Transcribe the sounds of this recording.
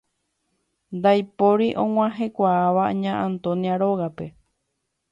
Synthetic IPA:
nd̪ajpoɾiʔõw̃ãɦe̞kʷaːʋaɲãʔãnt̪õ̞niaɾo̞ɣape̞

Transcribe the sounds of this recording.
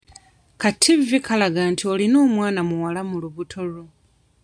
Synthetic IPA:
katʰːivvikʰalaɡantʰiolino̞ːmwaːnamuwalamuluβutʰoɾu

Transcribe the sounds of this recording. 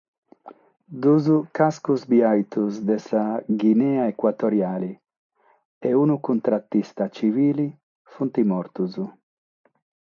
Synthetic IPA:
d̪uzukaskuzbiajt̪uzd̪esaɡinɛaekwat̪oɾjaːli | eunukunt̪ɾat̪ːist̪at͡ʃiviːli | funt̪imɔɾt̪uzu

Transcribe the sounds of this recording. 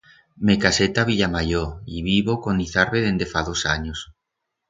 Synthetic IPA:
mekaset̪aβiʎamajoiβiβokoniθaɾβeðend̪efaðosaɲos

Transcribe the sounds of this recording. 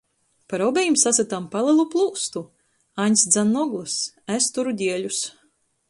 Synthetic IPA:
paɾɔbɛjimsasʲat̪ampalˠɨlˠuplˠuːst̪u | aɲʲsd̪zanːɔɡlˠɨs | æst̪uɾud̪ʲiɛʎus

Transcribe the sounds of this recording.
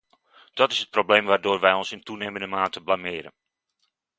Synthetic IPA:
d̥ɔtɪsət̚probleːmʋaːrdʊːrʋɛjɔnsɪntuneːməndəmaːtəblamɪːɾə̰n

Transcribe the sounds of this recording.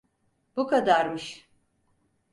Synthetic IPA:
bukʰad̪aɾmɯʃ

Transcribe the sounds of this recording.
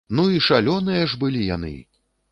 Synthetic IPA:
nuiʂalʲɔnɨjɐʐbɨlʲija̰nɨ̰

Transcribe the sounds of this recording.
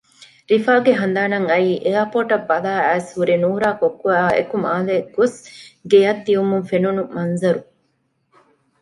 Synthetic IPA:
ɾifaːɡeɦɐnd̪aːnɐŋɐiːʔeɐpoːʈɐbːɐlaːæːshuɾinuːɾaːkokːuæːḛkumaːleɡ̥osɡejɐt̪ːiumuŋfenunumɐnzɐɾu

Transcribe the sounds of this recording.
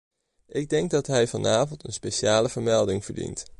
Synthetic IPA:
ʔɪɡ̚dɛŋɡ̚dɑtɦɛjvɑnaːvɔntənspejʃaːləvəɹmɛlˠdɪŋv̥əɹdḭnt

